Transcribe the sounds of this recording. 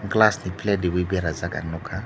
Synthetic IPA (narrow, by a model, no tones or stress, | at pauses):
ŋ̩klasniplɛdiwibɛɾazaka̰nʊkʰa